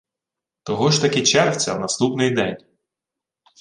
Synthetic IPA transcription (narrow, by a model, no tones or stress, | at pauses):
t̪ɔɦɔʒt̪ɐkɪt͡ʃɛrwt͡sʲɐ̰wnɐst̪upnɪjd̪ɛnʲ